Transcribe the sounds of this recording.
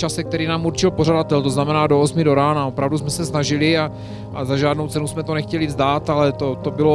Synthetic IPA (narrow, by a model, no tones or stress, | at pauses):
t͡ʃasɛk̚t̪ɛɾiːnaːmuɾt͡ʃɪlpo̞r̝adat̪ɛlt̪o̞znamɛnaːdo̞osmɪdo̞ɾaːnao̞pɾavdusmɛsɛsnaʒɪlɪa | ʔazaʒaːdno̞wt͡sɛnusmɛt̪o̞nɛxcɛlɪvzd̪aːt̪alɛt̪ot̪o̞bɪlo